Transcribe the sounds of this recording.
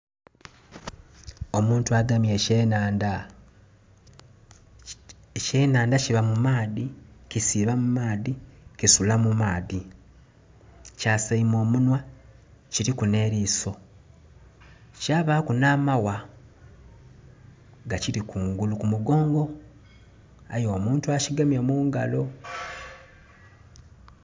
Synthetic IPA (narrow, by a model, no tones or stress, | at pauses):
o̞muːntuaɡamje̞enaːnda | ece̞ːnaːndaciβamumaːðikisiːβamumaːðikisulamumaːði | caːsaimo̞ːmunwa | ciɾikune̞ːɾiːso̞ | caːβaːkunaːmawa | ɡaciɾikʰuːŋɡulukumuɡo̞ːŋɡo̞ | ajoːmuːntuaciɡamjamuːŋɡalo̞